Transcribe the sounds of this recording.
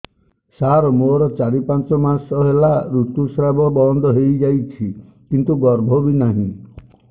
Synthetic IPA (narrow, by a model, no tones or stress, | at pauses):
saɾɔmoɾɔt͡ʃaɽipant͡ʃɔmasɔɦelaɾut̪usɾabʱɔbɔnd̪ʱɔɦejd͡ʒajt͡ʃʰi | kint̪uɡɔɾbʱɔbinaɦḭ̃